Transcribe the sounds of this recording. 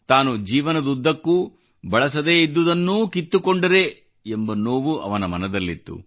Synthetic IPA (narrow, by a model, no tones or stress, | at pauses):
t̪aːnud͡ʒiːʋɐnɐd̪ud̪ːɐkːu | bɐɭɐs̬ɐd̪eːid̪ːud̪ɐnːuːkit̪ːukoɳɖɐɾe̞ | embɐnoːʋuʔɐ̰ʋɐnɐmɐnɐd̪ɐlːit̪ːṵ